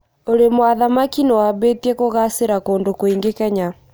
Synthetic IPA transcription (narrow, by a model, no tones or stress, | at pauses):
oɾemwaðamakinewaβeːtiekoɣaseɾakoːndokoiŋɡekɛɲa